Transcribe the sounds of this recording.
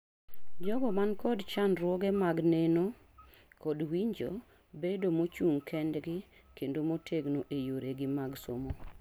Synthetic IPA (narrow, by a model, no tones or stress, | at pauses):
d͡ʒɔɡɔmankɔdt͡ʃanɾwɔɡɛmaɡneno | kɔdwiɲd͡ʒo̰ | bedomot͡ʃuŋkʰɛndɡɪ | kendomotʰeɡnoʔejoɾeɡɪmaɡso̰mo